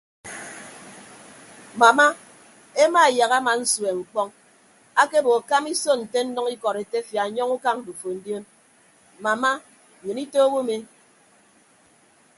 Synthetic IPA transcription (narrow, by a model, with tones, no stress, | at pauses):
ma˨ma˦ | e˦ma˦˨ja˨ɣa˦ma˨n̩˦swe˨ŋ͡m̩˨k͡pɔ˦ŋ | a˦ke˦bo˨a˨ka˦mi˦so˦n̩˨te˦n̩˦nɔ˦ŋi˦kɔ˨ɾe˨te˦fja˨ɲɔ˦ŋu˦ka˦ŋ̩˨du˨fo˨n̩˦djo˦n | ma˨ma˦˨ | ɲɨ˨ni˦to˦bo˦me˦